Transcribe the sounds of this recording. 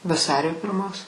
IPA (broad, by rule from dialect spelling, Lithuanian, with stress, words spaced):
ʋɐˈsɑːrʲoː pʲɪrˈmoːs